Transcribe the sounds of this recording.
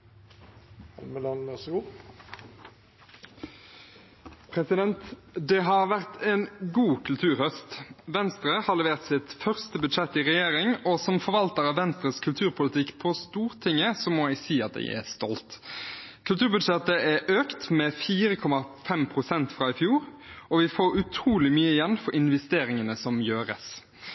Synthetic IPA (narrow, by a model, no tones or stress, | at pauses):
ɑ̰lməlɑnæsɔɡuː | pʰɾɛsɪd̪ɛnt̪d̪ɛɦɑʁʋæʁt̪ʰeːnɡuːkʰʉlt̪ʰʉːʁhœst̪ʋɛnst̪ʁəhɑʁlɛʋeːʁt̪sɪt̪fœʁst̪əbʉd̪ʃɛt̪ːiʁɛjeːʁɪŋɔsɔmfɔɾʋɑlt̪əɾɑʋʋɛnst̪ɾəskʰʉlt̪ʰʉːɾpʰʊlət̪ʰɪkːpʰɔst̪uːʁt̪ʰɪŋːəsɔmɔæɪsiːɑ̰t̪̚d̪ɛ̰ɪæ̰st̪ɔlt̪kʰʉlt̪ʰʉːʁbʉd̪ʂɛt̪əæʔøːkt̪mɛfiːɾəkʰɔmɑfɛmpʰʁʊsɛnt̪fɾɑɪfjuːɾɔʋɪfoːɾʉt̪ʰɾuːlɪmyːəɪjɛnːfɔɾɪnʋɛst̪eːɾɪŋənəsɔmjøːɾə̰s